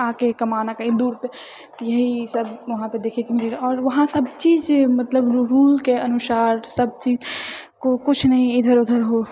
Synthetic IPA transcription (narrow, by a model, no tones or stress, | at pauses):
ãːkekɐmaːnakəɦĩd̪uːɾpe | t̪jɐɦisəbʋɐɦãped̪eːkʰekimɪɾiɾɔːɾʋɐɦãsəbt͡ʃiːd͡ʒmɐt̪ləbɾuːlkeənʊsaːɾsəb̚t͡ʃiːd͡ʒkokʊt͡ʃʰnəɦĩɪd̪ʱəɾod̪ʱəɾɦo